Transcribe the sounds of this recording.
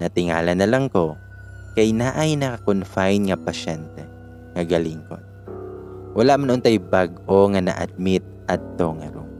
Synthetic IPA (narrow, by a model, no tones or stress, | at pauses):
nɐt̪ɪŋa̰ːlɐnːɐlɐŋko̞ | kɐjnaʔajnɐkakonfajnŋɐpɐʃɛnt̪ɛ | ŋɐɡɐliŋko̰ | wɐlaʔmanʔʊnt̪ajbaɡʔoŋanɐ̰ʔɐ̰d̪̚mɪt̪̚ʔɐd̪̚t̪oŋɐ̰ɾo̰